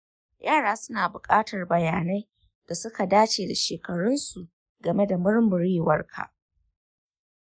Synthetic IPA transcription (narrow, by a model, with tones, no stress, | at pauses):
jʔaː˦˨ɽaː˦sʊ˦naː˨bʊ˨kʼaː˦tɐ˨rbɐ˨jaː˨na˦j | d̥a˨sʊ˦ka˨daː˦t͡ʃeː˨da˨ʃeː˨kɐ˨ɽʊ˦nsu˨ʔ | ɡɐ˨me˦da˨mʊ˦ɽmʊ˨ɾiː˦wɐ˦rkʰa̰˨